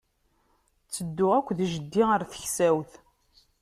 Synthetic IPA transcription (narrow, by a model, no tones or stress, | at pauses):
t͡sːəd̪ːʊʁækʷːðʒəd̪ːiəɾθə̥çsæwθ